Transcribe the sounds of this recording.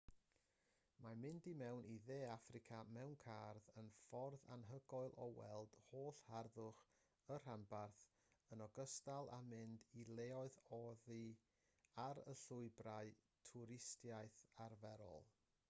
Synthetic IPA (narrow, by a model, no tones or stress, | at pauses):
mamɪndimɛwnʔiðeːafrɪkʰamɛwnkʰarðənfɔrða̰nɦəɡɔɨlˠʔɔwɛ̰lˠd̥hoːɬharðʊχ | ər̥anbarθ | ənɔɡəstalˠa̰mɪndilˠeːɔɨðɔðɨ | aɾə̰ɬʊɨbraɨ | tʰʊɾɪstjajθarvɛɾɔ̰lˠ